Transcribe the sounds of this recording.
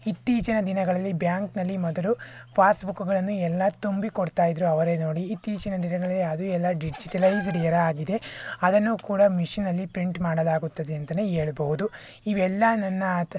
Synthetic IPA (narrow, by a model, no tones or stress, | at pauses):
it̪ːiːt͡ʃɐnɐd̪inɐɡɐɭɐlːibjaːŋknɐlːimɔd̪ɐlupʰaːsbukːuɡɐɭɐnːuɛlːɐt̪umbikoɽt̪aːjid̪ɾuɐʋɐɾe̞ːno̞ːɽiːt̪ːiːt͡ʃɐnɐd̪inɐɡɐɭɐlːiɐd̪uɛlːɐɖid͡ʒiʈɐlɐjsɖijɐɾɐaːɡid̪e̞ɐd̪ɐnːuːkuːɽɐmiʂinːɐlːipɾiɳʈmaːɽɐlaːɡut̪ːɐd̪eɐnt̪ɐneɦeːɭɐbɐɦud̪u | iʋɛlːɐnɐnːɐ